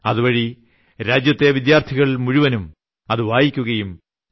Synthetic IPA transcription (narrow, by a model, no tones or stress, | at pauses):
ɐðuʋɐɻi | ɾaːd͡ʑjɐt̪ːe̞ʋid̪jaːrt̪ʰiɣɐɭmuɻuʋɐnum | ɐðuʋaːjikʲːuɣɐjum